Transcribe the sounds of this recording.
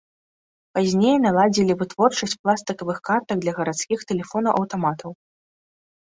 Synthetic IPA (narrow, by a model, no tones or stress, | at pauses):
pazʲnʲejnalˠad͡zʲilʲivɨt̪vɔrt͡ʂɐsʲt͡sʲplˠast̪ɨkɐvɨxkart̪ɐɡ̚d̪lʲɐɣɐɾat̪skʲixt̪ɛlʲɛfɔnɐʔɐwt̪amat̪ʰɐw